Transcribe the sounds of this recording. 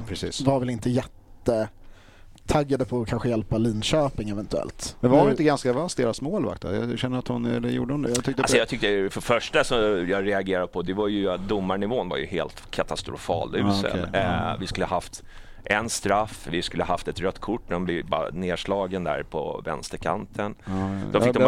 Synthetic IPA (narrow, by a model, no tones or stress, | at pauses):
pʰɾɛsḭːsvaɾvɛlɪnt̪əjɛt̪ːə | t̪ʰaɡːad̪əpʰɔkʰanɧəjɛlpaliːnɕøːpɪŋɛvɛnt̪ɵɛ̰lt̪mɛnvaɾɾʊɪnt̪əɡanskavast̪̚d̪eːɾasmoːlva̰kt̪a̰jɑ̰ɕɛnːəɾat̪hʊnɛ̰lːəjṵːɖəhʊnd̪jaʏkt̪əalsɔjɑt̪ʰʏk̚t̪əfœɾfœʂʈasɔmjɑːɾɛaɡeːɾad̪̚pʰɔd̪ɛvaɾjɵt̪̚d̪ʊmːaɳɪvoːnva̰jɵ̰heːlt̪kʰat̪ast̪ɾʊ̰fɑ̰ːlʉ̟ːsə̰vɪskɵləhaɦaft̪ | ʔɛnst̪ɾafːvɪskɵlːhaɦaft̪ɛt̪ɾœt̪ːkʰʊʈːɛɔmb̪ɪbneːʂlɑːɡənd̪æ̰ɾpʰɔ̰vɛ̰nst̪əɾkʰa̰nt̪ʰənd̪ɔɪd̪ɔ